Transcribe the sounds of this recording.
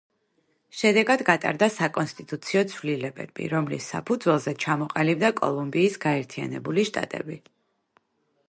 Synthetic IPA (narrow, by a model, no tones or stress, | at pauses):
ʃɛd̪ɛɡad̪ɡat̪ʼa̰ɾd̪asakʼɔnst̪ʼit̪ʼut̪sʰiɔt̪sʰvlilɛbɛ̰b̥ḭɾɔmlḭsːa̰pʰud̪zwɛlˠzɛt͡ʃʰamɔqʼalibd̪akʼɔ̰lˠumbiːsɡaɛɾt̪ʰia̰nɛbuliʃt̪ʼa̰t̪ʼɛ̰bi